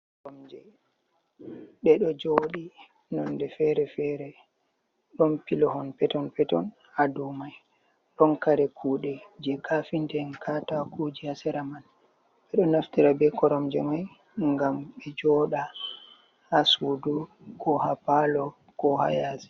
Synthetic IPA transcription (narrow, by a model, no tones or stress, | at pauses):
kkɔɾɔmd͡ʒɛ̰ | ɓɛɗɔd͡ʒoɗi | nɔndɛfɛɾɛfɛɾɛ | ɗɔnpilɔhɔnpɛtɔnpɛtɔ̰n | hadumaj | ɗɔnkaɾɛkʰuɗɛd͡ʒɛkʰafindɛnkʰatakʰud͡ʒihasɛɾaman | ɓɛɗɔnaftiɾabɛkɔɾɔmd͡ʒɛ̰maj | ŋɡamɓɛd͡ʒɔɗa | hasudu | kɔhapalɔ | kɔha̰jasɛ̥